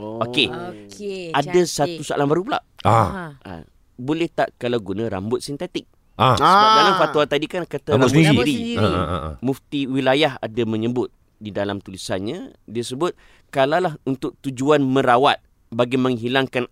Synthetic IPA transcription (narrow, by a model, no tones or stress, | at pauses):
oke | adasat̪usaʔa̰lahbaɾup̬ula̰ʔaa̰ | bolɛht̪aʔkalawɡunãɾa̰mbʊt̪̚sint̪et̪ɪk̚ | abaɡalaŋfat̪uat̪adikankat̪aiiɾi | mũft̪iwilajaɦa̰damə̃ɲəbʊt̪̚ | didalamt̪ulisanɲãdiasəbʊt̪̚ | kalalaɦunt̪ʊk̚t̪ud͡ʒuanmə̃ɾawat̪̚ | baɡimə̃ŋɦilaŋkan